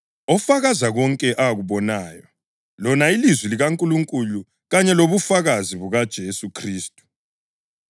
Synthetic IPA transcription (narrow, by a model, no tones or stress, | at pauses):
ɔfaɣazaɣɔŋkʼɛʔaɣuβɔnaːjɔ | lɔnailizwiliɣaŋkʼuluŋkʼulu | ɣaɲɛloβufaɣaziβuɣad̥ʒ̥ʱesukʰriːstʼu̥